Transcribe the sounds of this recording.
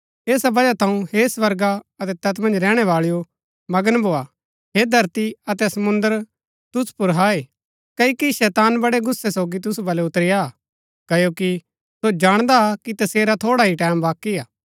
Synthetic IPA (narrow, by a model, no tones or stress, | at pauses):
eːsabɐd͡ʒat̪ʰɐ̃ũhesʋɐɾɡaɐt̪ɛt̪ɐt̪mɐ̃nd͡ʒɾɛːɽ̃ɛʋaːɭijo | mɐɡənbʱoːa | ɦed̪ʱɐɾt̪iɐt̪ɛsɐmʊ̃nd̪əɾ | t̪ʊspʊɾɦaːe | kɐikiʃɛːt̪aːnbɐɽeɡʊsːesoːɡit̪̬ʊsubɐleʊt̪ɾɪja | kɐjoːki | sod͡ʒaːɽ̃d̪akit̪ɐseːɾat̪ʰoːɽaɦiʈɛ̃ːmbaːkiaː